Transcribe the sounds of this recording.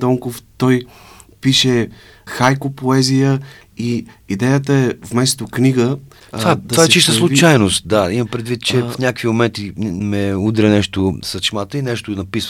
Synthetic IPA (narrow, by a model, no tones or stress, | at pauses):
d̪ɔŋkoft̪ɔj | piʃɛ | xajkopoɛzijə | i | id̪ɛjət̪əɛvmɛst̪okniɡə | t̪vad̪vaɛt͡ʃisʃt̪əslˠʊt͡ʃajnost̪̚d̪aiməpɾɛd̪vit̪̚t͡ʃɛfnʲakvimomɛnt̪imɛud̪ɾɛnɛʃt̪osɐt͡ʃmat̪əinɛʃt̪onɐpis